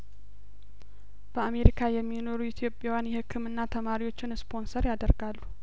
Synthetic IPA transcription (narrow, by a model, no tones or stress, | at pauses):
b̥əame̞ɾikʰajɛmːino̞ɾuit̪ʰjo̞pʼːjawjanjɛhɨkʰːɨmɨnːat̪ʰəmaɾiwo̞t͡ʃːɪnspʰo̞nsəɾjad̪əɾɡalːu